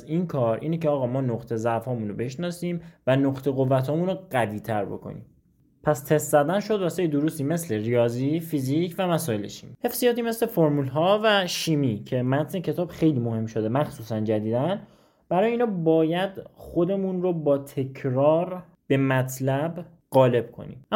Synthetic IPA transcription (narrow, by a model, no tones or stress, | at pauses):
inkʰɒːɾʔḭːnecʰeɒːɣɒːmɒːnoqt̪ʰe̞zæʔfɒːmunobe̞ʃnɒːsiːmvænoqt̪ʰe̞ɣovːæt̪ʰɒːmuːnoɣæviːt̪ʰæɾbo̞̰kʰo̞̰nḭːm | pʰæst̪ʰest̪zæd̪ænʃod̪væsejed̪oɾust̪iːme̞sle̞ɾijɒːziːfizicʰvæmæsɒːjelḛʃi̥mihe̞fsijɒːt̪iːme̞sle̞foɾmulɦɒːvæʃiːmicʰe̞mæt̪ʰnecʰe̞t̪ʰɒːbxe̞jliːmohe̞mʃod̪emæxsuːsænd͡ʒæd̪iːd̪æn | b̥æɾɒːjeiːnɒːbɒːjæd̪xo̞d̪e̞munɾobɒːt̪ʰe̞kʰɾɒːɾ | b̥e̞mæt̪ʰlæb | ɢɒːle̞b̥̚kʰo̰nḭm